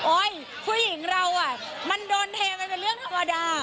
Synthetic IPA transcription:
ʔɔ˧˩j | kʰu˧jːi˨˩˦ŋɾa˧wʔaː˨˩ | ma˧ndoː˧nt̪ʰɛː˧pa˧jpe˧nlɾɯ˥˩əŋt̪ʰa˧ma˧daː˧

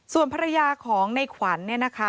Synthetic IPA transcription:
su˨˩ənpʰa˧ɾa˧jaː˧kʰɔː˩˦ŋna˧jkʰwa˩˦nːi˥˩ɐna˦˥kʰa˦˥

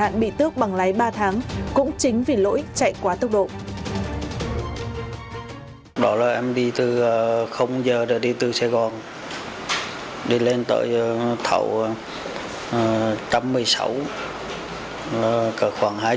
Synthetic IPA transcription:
a̰ː˧˨nɓḭ˧˨t̪ɨ˦˥ək̚ɓa˨˩ŋlaː˨˦jɓaː˧t̪ʰaː˨˦ŋkʊ̰˧˥ŋ͡mt͡ɕï˨˦ŋ̟vi˨˩lo̰˧˥ʔi˦˥k̚t͡ɕa̰˧˨jkwaː˨˦t̪ə˦˥wk͡p̚ɗo̰˧˨ʔ | ɗɔ˨˦laː˨˩ʔɛ˧mɗi˧t̪ɨ˨˩˨xə˧wŋ͡mzəː˨˩ɗə˨˩ɗi˧t̪ɨ˨˩saː˧jɣɔ˨˩n | ɗi˧le˧nt̪ə̰ː˧˨˩jt̪ʰa̰˧˩˦w | t͡ɕa˧mːɨ˧əjsa̰˧˦w | a˨˩kəː˧˩xwaː˧˩ŋhaː˧

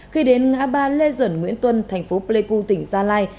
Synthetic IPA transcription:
xi˧ɗe˨˦nŋa̰ː˧˥ɓaː˧le˧zwə˧˩nŋwi˧˥ənt̪wə˧nt̪ʰɛ˨˩jŋ̟fo˨˦ple˧ku˧t̪ï˧˩ŋ̟zaː˧laː˧j

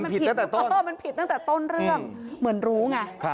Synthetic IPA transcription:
pʰi˨˩a˥ŋt̪ːt̪o˥˩˧ma˧npʰi˨˩a˥˩ŋt̪ɛː˨˩t̪o˥˩nɾɯ˥ɯ˥˩əŋmɯ˩˦ənɾuː˦˥ŋa˧˩˧

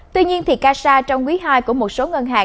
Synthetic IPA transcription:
t̪wi˧ɲi˧ənt̪ʰi˨˩kaː˧saː˧t͡ɕɔ˧wŋ͡mkwi˨˦ɦaː˧jku˧˩əmo˨˩t̚so˨˦ŋə˧nɦa̰ː˧˨˩

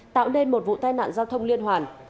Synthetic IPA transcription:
t̪a̰ː˧˨wne˧nmo˨˩t̚vṵ˧˨t̪aː˧jna̰ː˧˨nzaː˧wt̪ʰə˧wŋ͡mli˧ənhɦwaː˨˩n

